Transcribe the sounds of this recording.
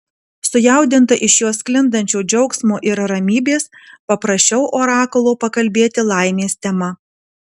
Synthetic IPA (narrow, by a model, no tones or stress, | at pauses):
sʊjæˑʊd̪ʲɪnt̪ɐʔɪʃjuɔsklʲɪnd̪ɐnʲt͡ʃʲoːd͡ʒʲɛʊksmoːʔɪɾɾɐmʲiːbʲeːspɐpɾɐsʲt͡ʃʲɛʊʔoːɾɑːkolˠoːpɐkɐlʲbʲeːt̪ʲɪlˠɑˑɪmʲeːsʲt̪ʲɛmɐ